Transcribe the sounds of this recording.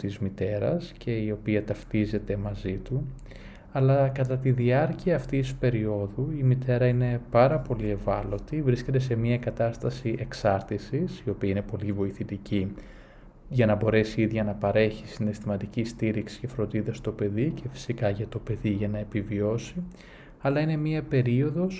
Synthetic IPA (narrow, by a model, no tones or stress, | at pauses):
t̪izmit̪e̞ɾɐ̰scʰe̞io̞piɐt̪ɐft̪ize̞t̪e̞mɐzit̪u | ɐlɐkɐt̪ɐt̪iðiɐɾciɐːft̪ispe̞ɾio̞ðuimit̪e̞ɾɐine̞pɐɾɐpo̞lie̞vɐlo̞t̪ivɾisce̞t̪e̞se̞mɲiɐkɐt̪ɐst̪ɐsiʔe̞ksɐɾt̪isisio̞piɐine̞po̞livo̞iθit̪ici | ʝɐnɐbo̞ɾe̞siiðʝɐnɐpɐɾe̞çisine̞st̪imɐt̪icist̪iɾiksi̥ce̞fɾo̞nd̪iðɐst̪o̞pe̞ðicʰe̞fi̥sikɐʝɐt̪o̞pe̞ðiʝɐnɐepivio̞si | ɐlɐine̞miɐpe̞ɾio̞ðo̞s